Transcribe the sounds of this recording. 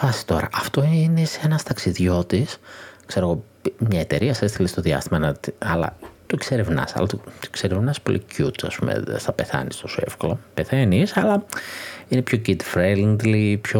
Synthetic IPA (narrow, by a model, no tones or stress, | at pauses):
fɐsi̥t̪o̞̰ɾɐ̰ʔɐft̪o̞iineseenɐst̪ɐksiðʝo̞t̪iskse̞ɾo̞ɣo̞ | mɲɐet̪e̞ɾiɐsest̪ilist̪o̞ðiɐ̰st̪imɐnɐt̪ɐlɐ̰t̪okseɾevnɐ̰sɐ̰lɐt̪ot̪o̥kseɾevnɐspo̞̰lʔḭcut̪ɐ̰spṵmḛð̰st̪ɐpe̞θɐ̰nist̪osue̞̰fkolɐpeθenisɐlɐ | ine̞pçocid̪fɾeliŋd̪lipço